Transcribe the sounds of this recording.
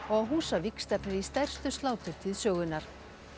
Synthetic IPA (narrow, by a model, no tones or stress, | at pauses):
ɔɣaðɦuːsavikst̪ɛpnɪɾist̪ɛr̥st̪ʏst̪laːwt̪ʏɾ̥t̪ʰɪðsœːɣʏnːaɾ̥